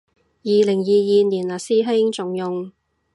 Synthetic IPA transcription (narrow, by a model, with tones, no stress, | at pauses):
jiː˨˧lɪ˨˩ŋjiː˨˧jiː˨niː˨˩nlaː˨˩siː˥ɦɪ˥ŋt͡sʊ˨ŋjʊ˨ŋ